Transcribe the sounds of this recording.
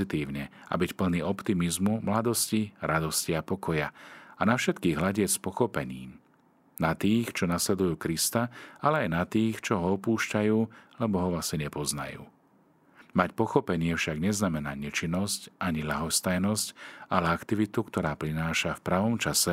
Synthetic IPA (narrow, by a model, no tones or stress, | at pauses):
it̪iːʊɲɛa̰bicpl̩niːɔpt̪imizmumlad̪ɔsciɾʔad̪ɔsciapɔkɔjaanafʃɛt̪kiːɣɦlaɟɪɛcspɔxɔpɛɲḭːm | nat̪iːxt͡ʃɔnaslɛd̪ujuːkɾist̪aalɛajnat̪iːxt͡ʃɔɦɔɔpuːʃcajuːlɛbɔɦɔʋasiɲɛpɔzna̰jṵː | macpɔxɔpɛɲɪɛfʃaɡɲɛznamɛnaːɲɛt͡ʃinːɔscʔaɲilaɦɔst̪ajnɔscalɛakt̪iʋit̪ukt̪ɔɾaːpɾinaːʃafpɾaʋɔmt͡ʃasɛ